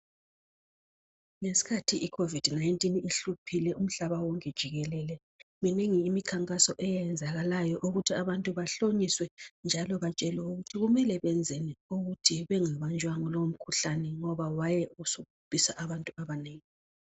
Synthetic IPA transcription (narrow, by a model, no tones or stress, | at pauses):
ŋesi̥kʰatʰiikʰovid̥naintʼiniɬupʰilɛʔum̩ɬaβawɔŋkʼɛd̥ʒ̥ʱiɣɛlɛlɛ | mineŋiːmikʰaŋkʼasɔʔɛjjɛnd͡zʱaɣalajɔʔuɣutʰiaβantʼuβaɬoɲiswɛnd͡ʒʱalɔβat͡ʃʼɛlɛuɣutʰiɣumɛlɛβɛnd͡zʱeniuɣutʰiβɛŋɛβant͡ʃʼwaŋɔlom̩kʰuɬanɛŋɔβawajɛusukub̥ʼʱisaʔaβantʼuaβaneːŋi